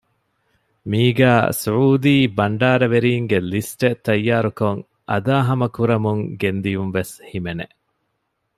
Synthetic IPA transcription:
miːɡæːsuʕuːd̪iːbɐɳɖaːɾɐʋeɾiːŋɡelisʈet̪ːɐjːaːɾukoŋ | ʔɐd̪aːɦɐmɐkuɾɐmuŋɡend̪ijumʋeshimenḛ

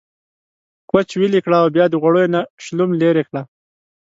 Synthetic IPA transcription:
kwat͡ʃwilikɽaːwbjɑd̪əɣwaɽojonaʃlumleɾekɽa

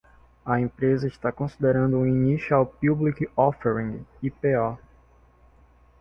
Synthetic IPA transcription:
ɐẽpɾezɐiʃt̪akõsid̪eɾɐ̃nd̪ʊũinisawpublikɔfeɾĩɡipeɔ

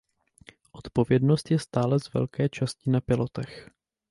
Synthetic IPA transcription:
ʔo̞t̪povjɛdno̞st̪jɛst̪aːlɛzvɛ̰lkɛːt͡ʃascɪnapɪlo̞t̪ɛx

